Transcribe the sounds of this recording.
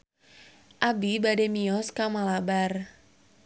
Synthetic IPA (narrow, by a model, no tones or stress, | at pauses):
ʔabibademiɔskamalabar